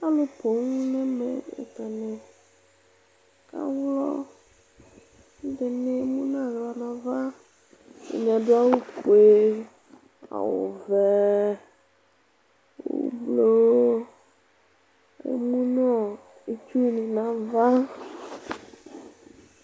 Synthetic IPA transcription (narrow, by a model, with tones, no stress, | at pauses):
a˦lo˨po˨ŋũ˦nɛ˦mɛ̰˨ḛ˨ta˨nɛ̃˨ | ka̰˦wlɔ˦ | dɛ˨ne˦mũ˦ñ˦a˨ɣla˨nã˨va˦ | ḛ˨ɲĩ˨a˨do˦a˦wo˦ku˨e˦ | a̰˨wo̰˨vɛ˨ | w̰o̰˨˦˨blo˦ | ḛ˨mũ˦nɔ̃˦ | e˨t͡ʃu˦nĩ˨nã˨va˦